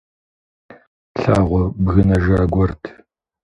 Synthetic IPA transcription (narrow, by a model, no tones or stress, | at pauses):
ɬaːʁʷɔbɣɨnɐʒaɾɡʷɔrtʰ